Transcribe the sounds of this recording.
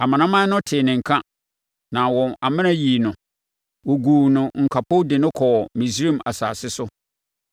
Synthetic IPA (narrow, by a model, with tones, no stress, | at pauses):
a˨mã˨nã˦mã˦nʊ̃˦tʰɪ˨nɪ̃˨ŋ̩˨kʰã˦ | nã˨wɔ̃˨na˨mɪ̃˦nã˦jiː˨nʊ̃˨ | wo˨ɡuː˨nʊ̃˨ŋ̩˨kʰa˨pʰʊ˦dɪ˨nʊ̃˦kʰɔ˨mĩ˨s̬ɾĩ˦ma̰˨sa̰ː˨sɪ˦sʊ˦